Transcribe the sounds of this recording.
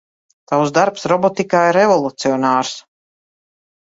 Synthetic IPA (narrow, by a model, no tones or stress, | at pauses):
t̪awzd̪aɾpsɾɔbɔt̪ikaːiɾevɔlˠut̪siɔnaːɾs